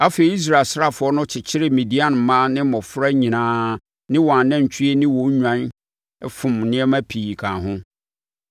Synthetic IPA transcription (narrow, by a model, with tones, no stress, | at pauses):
a˦fe˨i˨˦i˦s̬ɾa˦˨e˨lsɾa˦fʊ˨ɔ˦nʊ̃˦t͡ɕʰɪ˨t͡ɕʰɪ˦ɾɪ˦mĩ˨di˦a˦n˨mãː˦nɪ̃˦mɔ̃˨fɾa˦ɲĩ˨nãː˦ | nɪ̃˦wɔ˨a˨nɛ̃˦˨ɲ˨t͡ɕʰi˦e˦nɪ̃˦wɔ̃˨˦ɲᶣã˦n | ɛ˦fʊ̃˨mnɪ̃˦ɛ˦mã˦pʰiː˨kʰãː˨ɦʊ̃˦